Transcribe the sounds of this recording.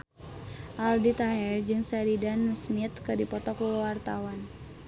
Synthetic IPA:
ʔaldit̪aɦɛrd͡ʒɨŋsaɾidansmit̪kɨdipɔt̪ɔk̚bəwart̪awan

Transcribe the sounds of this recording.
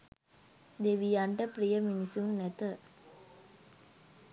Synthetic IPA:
d̪eʋijaɳʈəpɾijəminisunːɛt̪ə

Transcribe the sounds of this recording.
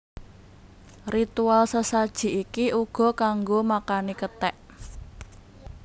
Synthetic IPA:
rit̪ualsəsad̥ʒ̥i̤ʔikiʔuɡ̥ɔ̤kaŋɡomakanikət̪ɛʔ

